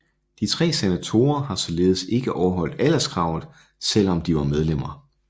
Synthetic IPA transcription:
d̥it͡sʰʁɛ̰ːsenæt͡sʰo̝ːɐhɑ̈sɒ̽le̝ːð̞ˠəse̝ɡ̥əʔɒʊɐɦɒ̽l̰d̥ælɐsɡ̥ʁɑ̈ʊð̩ˠ | sel̰ɒ̽md̥iʋɑ̈með̞ˠlem̰ɐ

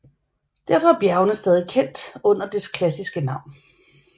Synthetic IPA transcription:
d̥æɐ̰fɒ̽æɐb̥jæɐʊnəsd̥ɛːð̞ˠikʰen̰d̥ɔ̽n̰ɐd̥eskʰlæsisɡ̥ənɑ̈ʊ̰n

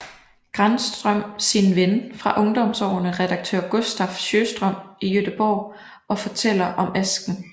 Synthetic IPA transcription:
ɡ̥ʁansd̥ʁœm̰sinʋenfʁɑ̈ʔɔ̽ŋd̥ɒ̽msɒ̰ʊnəʁɛd̥ɑ̈ɡ̥̚t͡sʰø̰ɐ̰ɡ̥o̝sd̥ɒfɕøːsd̥ʁœm̰ijød̥əb̥ɒʊ | ɒ̽fɒ̽t͡sʰel̰ɐʔɒ̽mæsɡ̥n̩

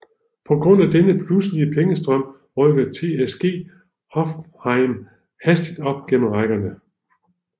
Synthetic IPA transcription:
pʰɒ̽ɡ̥ʁɔ̽n̰æd̥enəpʰlusliəpʰeŋəsd̥ʁɶm̰ | ʁœɡ̥ɐt͡sʰe̝ːesɡ̥e̝̰ː | hɒ̽fhɑ̈ɪm | hæsd̥id̥ɒ̽b̥ɡ̥en̩ʁaɡ̥ɐnə

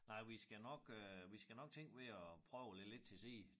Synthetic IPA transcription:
nɑ̈ɪ̰ʋisɡ̥ænɒ̽ɡ̥øʋisɡ̥ænɒ̽ɡ̥̚t͡sʰeŋ̰ɡ̥ʋe̝ɒpʰʁœʊled̥le̝d̥̚t͡sʰe̝se̝̰ː

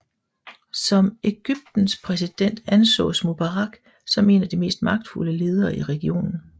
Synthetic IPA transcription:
sɒ̽me̝ɡ̥yb̥̚d̥n̩spʰʁɛsid̥en̰d̥ænsɔ̰̽ːsmub̥ɑʁɑ̈ɡ̥ | sɒ̽me̝̰ːnɐd̥ime̝̰ːsd̥mɑ̈ɡ̥̚d̥fuləle̝ːð̞ˠɐːiʁɛɡ̥io̝̰ːnn̩

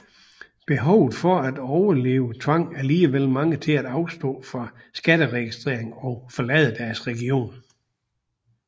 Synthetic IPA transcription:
b̥e̝ɦɒʊð̩ˠfɒ̽æd̥ɒʊɐle̝ːʊət͡sʰʋɑ̈ŋ̰æɐliːəʋel̰mɑ̈ŋət͡sʰe̝læd̥ɑ̈ʊsd̥ɔ̰̽ːfɑ̈ | sɡ̥æd̥əʁɛɡ̥isd̥ʁḛɐ̰eŋɒ̽fɒ̽lɛðˠəd̥æɐsʁɛɡ̥io̝̰ːn

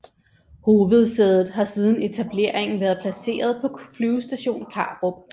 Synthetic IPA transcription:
ho̝ːʋð̞̩ˠseðˠð̩ˠɦɑ̈siːð̞ˠn̩e̝t͡sʰæb̥le̝ɐ̰e̝ŋn̩ʋæɐðˠpʰlæse̝̰ːɐðˠpʰɒ̽fʰlyːʊsd̥æɕo̝̰ːnkʰɑ̈ːb̥ʁo

